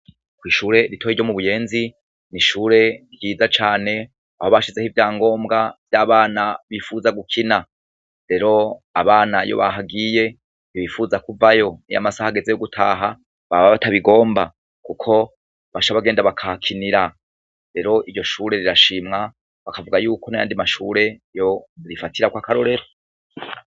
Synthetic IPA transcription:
kwiːʃuːɾe̞ɾitʰohiɾɟomuβuje̞ːnzi | niʃuːɾe̞ɾjiːzat͡ʃaːne̞ | aho̞βaʃize̞hivjaːŋɡo̞ːmɡavjaːβaːnaβiːfuzaɡukʰina | ɾe̞ɾo̞aβaːnajo̰βa̰ɦaɡiːje̞ | niβiːfuzakuvajo̞nḭja̰masahaɡe̞ze̞joɡutʰaːɦa | βaβaβataβiɡo̞ːmba | kukʰo̞ | βaʃaβaɡe̞ːndaβakʰakʰiniɾa | ɾe̞ɾo̞ʔiɾɟo̞ʃuːɾe̞ɾiɾaʃimŋa | βakavuɡajuːkʰo̞naja̰ːndimaʃuɾe̞jo̞ɾifatʰiɾakwakaɾo̞ɾe̞ɾo

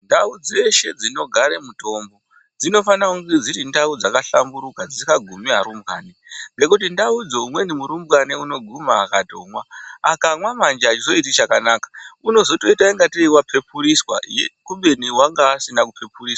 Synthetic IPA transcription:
ndaud͡ze̞ʃe̞d͡zino̞ɡʱaɾemuto̞mbo̞ | d͡zino̞fanakuŋɡed͡ziɾindaud͡zakaɬambuɾukad͡zikaɡʱumiɦaɾumbwaːneŋɡe̞kutindaud͡zo̞umwe̞nimuɾumbɣaneuno̞ɡʱumaːkatomwaa̰kamwamand͡ʒaat͡ʃizo̞itit͡ʃakanaːkḁuno̞zo̞to̞itaiŋɡatiiwapʰe̞puɾiswa̰jekuɓeniwaŋɡaːsinakupe̞puriːswa

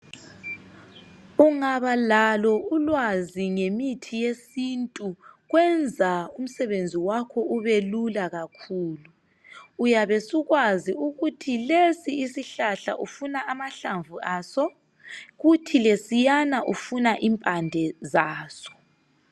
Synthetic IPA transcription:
uŋaβalalɔulwaziŋemitʰijesintʼuɣwɛnd͡zʱaum̩sɛβend͡zʱiwakʰɔuβelulaɣakʰuːluː | jaβesuɣwaziuɣutʰilesiisiɬaɬa̰ʔufunaʔamaɬaɱvuʔasɔ | ɣutʰilesijanaʔufunaʔimpʼandʱɛzaːsɔ̥

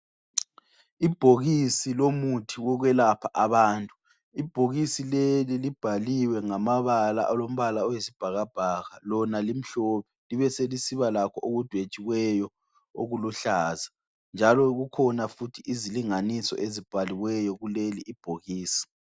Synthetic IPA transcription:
ib̥ʱoɣisilomutʰiwɔɣwɛlapʰaʔaβaːntʼu | ib̥ʱoɣisilelilib̥ʱaliwɛŋamaβala̰ʔalom̩βalaɔjesib̥ʱaɣab̥ʱaɣalɔnalim̩ɬɔːpɛliβɛselisiβalakʰɔʔoɣud̥ʱwet͡ʃʼiwɛjɔ | o̰ɣuluɬaːza | nd͡ʒʱalɔɣukʰɔnafutʰiʔiziliŋanisɔ̰ʔezib̥ʱaliwɛjɔɣuleliʔːb̥ʱoɣiːsi̥

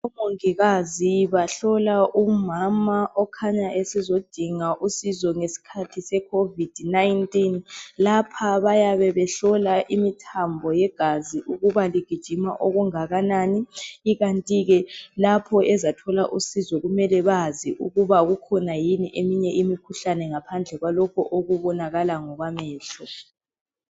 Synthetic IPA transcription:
umoŋiɣaziβaɬɔlaʔumamaʔɔkʰaɲaʔesizod̥ʱiŋaʔusizɔŋesi̥kʰatʰisɛkʰovid̥ʱnajntʼinlapʰaβajaβɛβɛɬɔlaʔimitʰambʱɔjɛɡ̥ʱaziʔuɣuβaliɡ̥ʱid̥ʒ̥ʱima̰ʔoɣuŋaɣanaːniːɣantʼiɣɛlapʰɔʔɛzatʰɔlaʔusizɔɣumɛlɛβaziʔuɣuβaɣukʰɔnajiniʔemiɲɛʔimikʰuɬanɛŋapʰand͡ɮʱɛɣwalɔkʰɔʔoɣuβɔnaɣalaŋɔɣwamɛːɬɛ

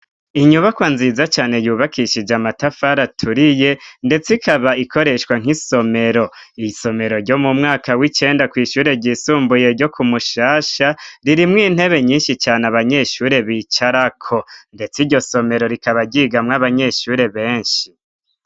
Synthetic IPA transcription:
iɲuβakwaːnzizat͡ʃaːne̞juːβakʰiʃid͡ʒamatafaɾatʰuɾije̞nde̞t͡sikʰaβaikʰo̞ɾe̞ʃwaŋ̥iso̞me̞ɾo̞iso̞me̞ɾo̞ɾɟo̞mumŋaːkawit͡ʃe̞ːndakwiːʃuːɾe̞ɟisuːmbuje̞ɾɟo̞kumuʃaːʃaɾiɾimŋiːn̥he̞βe̞ɲiːnʃit͡ʃaːneaβaɲe̞ʃuːɾe̞βit͡ʃaɾakʰo̞nde̞t͡siɾɟo̞so̞me̞ɾo̞ɾikaβaɟiːɡamŋaβaɲe̞ʃuːɾe̞βe̞ːnʃi

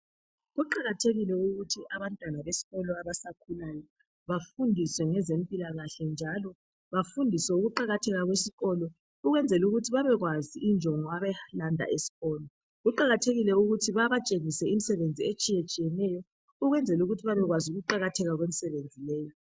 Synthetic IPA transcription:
ɣuǃaɣatʰeɣilɛuɣutʰiʔaβantʼwanaβesi̥ɣɔlɔaβasakʰulajɔ | βafundʱiswɛŋɛzem̩pʼilaɣaɬɛnd͡ʒʱalɔ | βafundʱisɛuɣuǃaɣatʰɛɣaɣwesiɣɔlɔ | uɣwɛnd͡zʱɛluɣutʰiβaβɛɣwaziind͡ʒʱɔŋɔaβɛlandʱa̰ʔesi̥ɣɔːlɔ | ɣuǃaɣatʰeɣilɛuɣutʰiβaβat͡ʃʼeŋisɛimisɛβend͡zʱiet͡ʃʼijet͡ʃʼijɛnɛjɔ | uɣwɛnd͡zʱɛluɣutʰiβaβɛɣwazuɣuǃaɣatʰɛɣaɣwemisɛβend͡zʱilɛːjɔ

